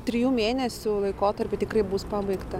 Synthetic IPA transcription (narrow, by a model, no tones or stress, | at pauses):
t̪ʲɾʲɪjuːmʲeːnʲɛsʲʊlˠɐɪkoːt̪ɐɾʲpʲɪt̪ʲɪkrɐɪbuspɑbɐɪkt̪ɐ